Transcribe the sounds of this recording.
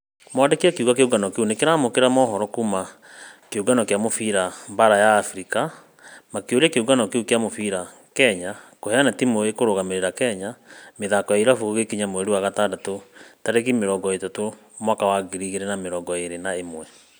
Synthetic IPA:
mwadekiakeuɣakeuɣanɔkeunekeɾamokeɾamɔɦɔɾɔkuma | keuɡanɔkeamofiɾambaɾajaːfɾika | makeoɾɛkeuɣanɔkeukeamofiɾa | kɛɲakohɛanatimoekoɾoɣameɾeɾakɛɲameðakɔjaiɾafuɣekiɲamoɛɾuwaɣatandatotaɾeɣimeɾɔːŋɡɔetato | mwakawaɡiɾiɣeɾɛnameɾɔːɡɔeɾenaemwɛ

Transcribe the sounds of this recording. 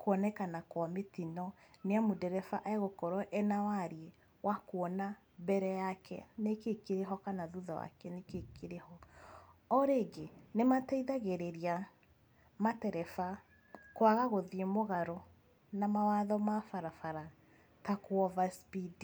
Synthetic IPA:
koɔnɛkanakwametinɔneamodɛɾɛfaʔaeɣokɔɾɔʔɛnawaɾie | wʔakwɔna | bɛɾɛjakɛ̰nekekeɾeɦɔkanaðuðɔwa̰kɛnekekeɾehɔ | ɔɾeɡenematɛiðaɣeɾeɾia | matɛɾɛfa | kwaɣaɣoðiemoɣaɾɔ | namawaðɔmafaɾafaɾa | takwɔvaspidi

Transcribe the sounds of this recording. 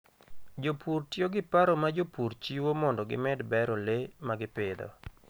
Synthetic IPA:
d͡ʒopurtjoɡɪpaɾɔmad͡ʒopuɾt͡ʃiwomɔndɔɡɪ̰mɛdbɛɾɔlemaɡɪpɪd̪ɔ̰

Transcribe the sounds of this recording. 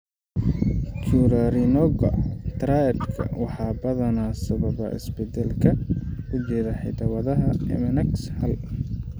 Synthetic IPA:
t͡ʃʰuɾɐɾɪnɔɡɐ̰t̪ɾajɐrkʰɐ̰wɑħɑːbɐðɐnaːsɐβɐβɐ̰ʔɪ̰sbɛd̪ɛlkʰɐʊt͡ʃɛːðaħɪ̰d̪ɐwɐðɐɦɐɛ̰mɐnɐkshɐl

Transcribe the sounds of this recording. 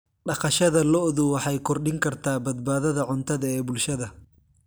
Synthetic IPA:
ɖɑqɑʃɐðɐlɔðʊwɑħɑjkʰɔrɖɪŋkʰɐrt̪ʰaːbɐd̪̚baːðɐðɐʕʊnt̪ʰɐðɐɛːbʊlʃɐðɐ

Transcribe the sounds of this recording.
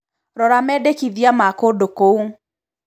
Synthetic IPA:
ɾɔɾamɛdekiðiamakodokou

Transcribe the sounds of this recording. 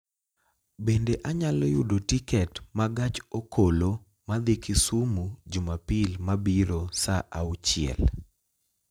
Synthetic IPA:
bendeʔaɲalɔjʊdotikɛtmaɡat͡ʃokʰolo | mad̪ekɪsumud͡ʒʊmapilmabiɾosaʔawt͡ʃɪɛ̰l

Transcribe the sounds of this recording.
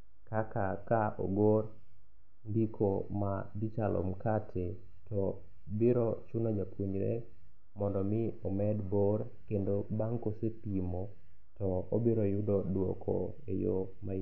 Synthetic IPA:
kakakao̰ɡor | ndikʰomadit͡ʃalʔo̰mkatʰe | tɔ | biɾɔt͡ʃunad͡ʒapuɲɾɛ̰ | mɔndɔmɪɔmɛdboɾ | kendobaŋkosepimo | tɔobiɾɔjʊdɔdwo̰kʰɔ̰ | ejo̰ | ma

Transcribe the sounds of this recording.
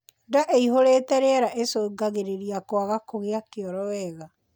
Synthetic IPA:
daʔeiɦoɾeːtɛɾeɛɾaʔesoɡaɣeɾeɾiakwaɣakoɣeakeɔɾɔwɛɣa

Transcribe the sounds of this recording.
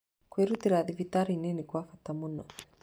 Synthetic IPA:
kweɾut̪iɾaðivit̪aɾinenikwafat̪ːamunːɔ

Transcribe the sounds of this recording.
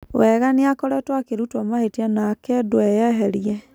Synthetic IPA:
wɛɣaniakɔɾɛtwakeɾutɔmahetianakɛdwɛjɛɦɛɾiɛ

